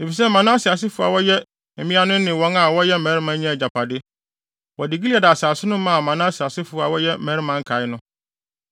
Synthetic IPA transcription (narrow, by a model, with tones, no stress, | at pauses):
e˨fi˨s̬ɛ˦mã˨nã˦sɪ˨a˨s̬ɪ˦fʊ˨a̰˨wɔ˦jɛ˦ | m̩˨mĩ˦a˦nʊ̃˦nɪ̃˨wɔ̃˨˦na˨wɔ˦jɛ˦˨ɛ̃˨˦ɾɪ˦mã˦ɲã˦˨d͡ʑa˨pʰa˨dɪ˦ | wɔ˨dɪ˨ɡi˦li˦ɛ˨da˨saː˨sɪ˦nʊ̃˦mã˦˨mã˨nãː˦si˨a˨sɪ˦fʊ˨a˨wɔ˦jɛ˦mɛ˨˦ɪ˦mã˨˦ŋ̩˦kʰa˨ɪ˦nʊ̃˦